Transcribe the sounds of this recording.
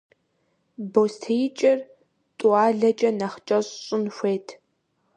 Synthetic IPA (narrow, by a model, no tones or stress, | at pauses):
boːstʰejt͡ʃʼɪr | tʼuaːɮɐt͡ʃʼɐnɐχt͡ʃʼɐɕɕʼʊnxʷeːtʰ